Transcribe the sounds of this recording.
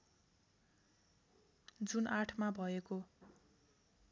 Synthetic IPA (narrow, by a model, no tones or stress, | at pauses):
d͡zunʔaʈʰmabʱʌeko